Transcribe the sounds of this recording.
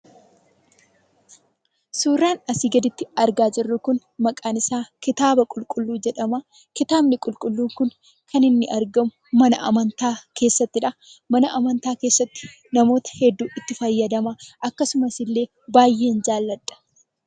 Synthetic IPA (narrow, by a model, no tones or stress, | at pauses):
suːrːaːnɐsiːɡɐd̪ɪt̪ːɪɐɾɡaːd͡ʒɪrːʊkʊn | mɐkʼaːnɪsaːkɪt̪aːbɐkʼʊlkʼʊlːuːd͡ʒɛᶑɐma | kɪt̪aːbnɪkʼʊlkʼʊlːuːŋkʊn | kʰɐnɪnːɪʔɐɾɡɐmʊmɐnɐʔɐ̰mɐnt̪aːkʰe̞ːsːɐt̪ːɪᶑɐ | mɐnɐʔɐmɐnt̪aːke̞ːsːɐt̪ːɪ̥ | nɐmo̞ːt̪ɐ̥hɛd̪ːuːʔɪt̪ːɪfɐjːɐd̪ɐmaʔɐkːɐsʊmɐsɪlːe̞ː | baːjːe̞ːnd͡ʒaːlːɐᶑːɐ̥